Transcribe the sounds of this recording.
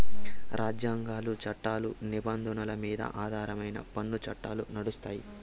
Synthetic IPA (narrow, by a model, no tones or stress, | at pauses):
ɾʔaːd͡ʒjaːŋɡaːlut͡ʃɐʈːaːlunibɐnd̪ʱɐnɐlɐmiːd̪ɐ̰ʔaːd̪ʱaːɾɐmɐjnɐ̰pɐnːut͡ʃɐʈːa̰ːlunɐɽust̪aːji